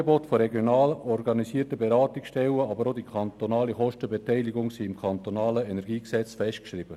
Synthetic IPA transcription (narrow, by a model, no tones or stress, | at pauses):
əbotfoɾɛɡjonɑːləʔɔɾɡɑnisiːtəbeɾɑːtikʃtɛwəɑbəɾodikʰɑntonɑːliχɔʃtəbɛtɛɪliɡʊŋsiːɪmkʰɑntonɑːləɛnɛɾɡiːksɛt͡sfɛʃtkʃɾib̥ə